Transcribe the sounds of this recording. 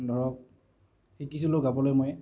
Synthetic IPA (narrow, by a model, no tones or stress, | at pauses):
dʱɔɹɔk̚ | xikisiloɡabɔlojmoj